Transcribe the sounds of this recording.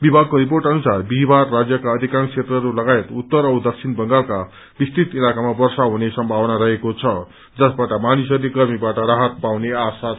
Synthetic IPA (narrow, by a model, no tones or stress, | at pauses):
bibʱaɡ̚koɾiporʈʌnusarbibʱarːad͡zjʌkaʌd̪ʱikãŋkʰt͡sʰet̪rʌɾulʌɡaet̪ut̪ːʌɾʌd̪ʌksʰinbʱʌŋɡalka | bist̪it̪ilakamabʌrsaɦunesʌmbʱawʌnaɾʌɦekot͡sʰʌ | d͡zʌsbaʈʌmanisʌɾleɡʌrmibaʈʌɾaɦʌt̪̚pawneasa